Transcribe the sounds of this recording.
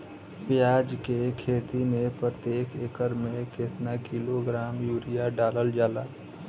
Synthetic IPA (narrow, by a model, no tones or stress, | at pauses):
pjaːd͡ʒkekʰeːt̪imẽpɾət̪jeːkʰeːkəɾmẽket̪nakiloɡɾaːmjuːɾijaɖaːləld͡ʒaːla